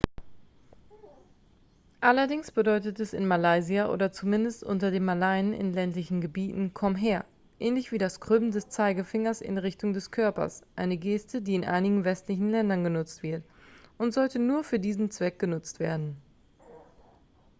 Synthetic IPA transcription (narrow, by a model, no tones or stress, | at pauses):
ʔalɐdɪŋsb̥ədɔʏtətɛsɪ̰nmalaɪziaʔo̰ːdɐt͡sumɪndəstʔʊ̰ntɐdeːmːalaɪənɪ̰nlɛntlɪçn̩ɡəbiːtn̩kʰɔmɦeːɐ | ʔɛːnlɪçv̥iːdaskʁ̥ʏbn̩dɛst͡saɪɡəfɪŋɐsɪ̰nʁɪçtʊŋdɛskʰœɐpɐ̰sʔaɪnəɡeːstədiːɪnʔa̰ɪnɪɡŋ̩vɛstlɪçn̩lɛndɐnɡənʊt͡stv̥ɪɐtʔʊntz̥ɔltənuːɐfyːɐdiːzn̩t͡sv̥ɛk̚ɡ̥ənʊt͡stv̥ḛːɐdn̩